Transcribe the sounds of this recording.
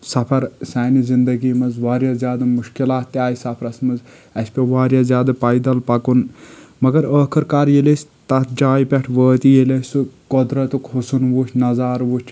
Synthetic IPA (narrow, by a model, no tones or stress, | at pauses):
sɐpʰɐɾsɛːnizind̪ɐɡiːmɐzʋaːɾjaːzjaːd̪ɐmuʃkilaːt̪̚ːaːjisɐpʰɾɐsmɐz | ɐsʲpʲeʋaːɾjaːzjaːd̪ɐpɐjd̪ɐlpɐkunmɐɡɐɾəːkʰɐɾkaːɾjelesʲ | t̪ɐt̪ʰd͡ʒaːjipʲɐʈʰʋəːt̪ijelʲɐsukɔd̪ɾɐt̪ukɦusunʋut͡ʃʲnɐzaːɾʋut͡ʃʲʰ